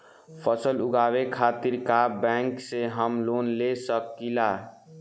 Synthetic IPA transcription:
pʰəsəlʊɡaːwekʰaːt̪iɾkabɛ̃ŋkseɦəmloːnlesəkːila

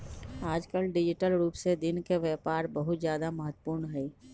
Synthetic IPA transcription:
aːd͡ʒkəlɖɪd͡ʒɪʈəlɾuːpsed̪ɪnkeʋɛːpaːɾbəɦʊt̪zjaːd̪aməɦət̪ːə̥puːɾɳɦɛː

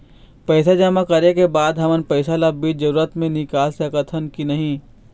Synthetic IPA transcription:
pɛːsad͡ʒamakɐɾekebaːd̪ɦɐmənpɛɪsalabiːd͡ʒɐɾuːɾət̪mẽnɪkaːlsekət̪ʰənkinɐɦĩ

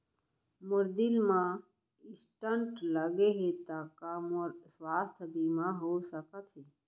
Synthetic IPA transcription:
mʊɾd̪ilmã | ɪsʈəɳʈləɡeɦet̪akamɾswaːst̪ʰbimãɦoːsəkət̪ʰɦe

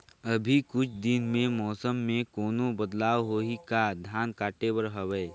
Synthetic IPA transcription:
əbʱikʊt͡ʃʰd̪ɪnmẽmɔːsəmːẽkɔːnobəd̪laːwɦoikad̪ʱjaːnkaːʈewəɾɦəwɛː

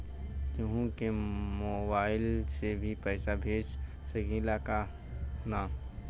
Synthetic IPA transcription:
juɦũkemoːbaːɪlsebʱipɛːsabʱeːd͡ʒ | səɡiːlaka | naːm

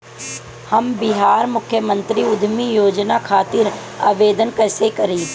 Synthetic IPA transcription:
hɐmbɪɦaːɾmʊkʰjəmə̃nt̪ɾiʊd̪ʱmijoːd͡ʒnakʰaːt̪ɪɾ | a̰ːʋeːd̪ənkɛːsekɐɾiː

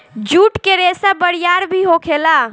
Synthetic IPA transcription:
d͡ʒuʈkeɾesabəɽijaɾbʱiɦokʰela

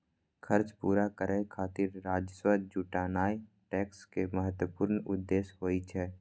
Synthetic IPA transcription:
kʰəɾt͡ʃpuːɾakəɾekʰaːt̪ɪɾːaːd͡ʒəswəd͡ʒuːʈaːnaːi | ʈɛːkskeməɦət̪wəpuːɾnʊd̪ːeːsɦoːit͡ʃʰɛː

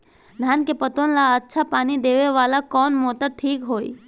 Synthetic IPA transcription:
d̪ʱankepət̪onlaətːʃʰapanid̪eʋeʋalakɔnmot̪əʈʰiːkɦoj

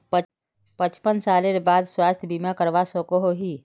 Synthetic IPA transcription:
pət͡ʃpənsaːleɾebaːd̪swaːst̪ʰjbiːmakəɾʋasoːkoɦoɦiː

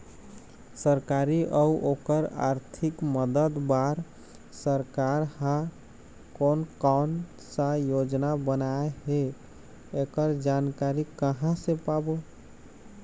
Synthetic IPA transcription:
səɾkaɾiʔəuʔokəɾa̰ɾt̪ʰikməd̪əd̪baɾ | səɾkaɾhã | konkan | sə̃jod͡ʒnabənaeɦe | ekəɾd͡ʒankaɾikəɦãsẽpabo

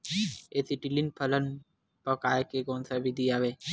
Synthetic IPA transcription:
eːsiʈilinpʰələn | pəkaːekekɔːnsabid̪ʱiaːʋeː

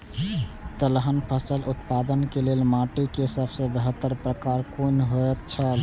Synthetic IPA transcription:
t̪əlɦənpʰəsəlʔut̪pad̪ənkelelmaʈikesəbsə̃bəɦət̪ːəɾpɾəkaɾkonɦot̪̚t͡ʃʰəl

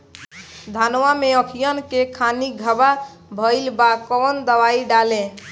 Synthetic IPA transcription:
d̪ʱanwameəkʰijənkekʰaniɡʱəba | bʱəɪlbakɔnd̪əwaiɖalẽ

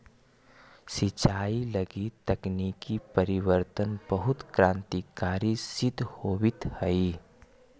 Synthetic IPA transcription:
sɪt͡ʃaːilɐɡit̪ɐkniːkipɐɾɪwəɾt̪ənbəɦʊt̪kɾãːnt̪ikaːɾisɪd̪ʱhoːwɪt̪həi

